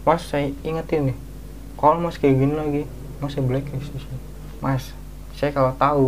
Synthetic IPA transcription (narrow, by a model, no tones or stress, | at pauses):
masːaiŋət̪inɪh | kalmaskawinlaɡi | masablɛkɛsisi | mas | sajakalat̪au